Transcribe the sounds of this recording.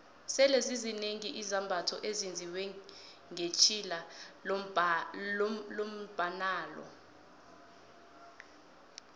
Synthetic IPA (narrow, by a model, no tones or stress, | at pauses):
sɛlezizineŋiʔizambʱatʰɔ̰ʔezind͡zʱiwɛ | ŋʱet͡ʃʰʼila | lom̩b̥ʱanaːlɔ̰